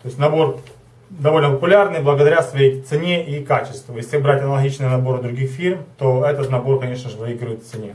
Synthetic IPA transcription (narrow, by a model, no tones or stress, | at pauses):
t̪o̞ɪsʲnɐbo̞r | d̪ɐvo̞lʲnəpəpʊlʲarnɨjblˠəɡəd̪ɐɾʲasvɐjejt̪sɨnʲeʔikat͡ɕɪ̥st̪vəjesʲlʲɪbɾatʲɐnəlˠɐɡʲit͡ɕnɨjənɐbo̞ɾɨd̪ɾʊɡʲixfʲirmt̪o̞ɛt̪ət̪nɐbo̞rkɐnʲe̞ʂnəʐɨvɨiɡɾʊjɪt̪ft̪sɨnʲe